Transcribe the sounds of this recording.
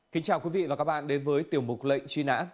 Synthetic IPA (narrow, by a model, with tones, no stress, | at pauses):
ki˨˦ŋ̟t͡ɕaː˨˩wkwi˨˦vḭ˧˨vaː˨˩ka˦˥k̚ɓa̰ː˧˨nɗe˨˦nvəː˨˦jt̪i˨˩əwmʊ˨˩k͡p̚lə̰˧˨jŋ̟t͡ɕwi˧na̰ː˧˥m